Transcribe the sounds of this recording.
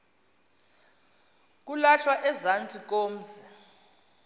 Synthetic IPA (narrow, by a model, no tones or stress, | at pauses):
k̬ulaɬwaʔɛzant͡sʼik̬ʼoːm̩si̥